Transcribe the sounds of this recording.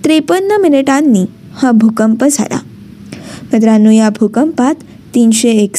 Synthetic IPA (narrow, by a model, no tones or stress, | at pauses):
t̪ɾepənːəmineʈanːi | hãbʱukəmpəd͡zʱa̰la̰ | mət̪ɾanːũjabʱukəmpat̪ː | iːnɕeːk